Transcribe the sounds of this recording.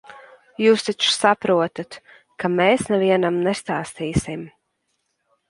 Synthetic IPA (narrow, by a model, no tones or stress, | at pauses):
juːst̪it͡ʃsapɾuɔt̪at̪ | kameːsnɛviɛnamnɛst̪aːst̪iːsim